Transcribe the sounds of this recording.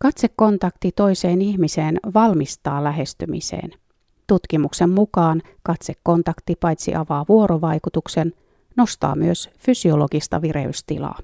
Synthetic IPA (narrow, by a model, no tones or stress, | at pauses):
kɑt̪sekːo̞nt̪ɑkt̪it̪o̞jse̞ːniçmise̞ːnʋɑlmist̪ɑːlːæɦe̞st̪ymḭsḛːn | t̪ut̪kimukse̞mːukɑːn | kɑt̪sekːo̞nt̪ɑkt̪ipɑjt̪sḭʔɑʋɑːʋuo̞ɾoʋɑjkut̪ukse̞n | no̞st̪ɑ̰ːmyøsfysio̞lo̞ɡist̪ɑ̰ʋiɾe̞̰y̰st̪ilɑ̰ː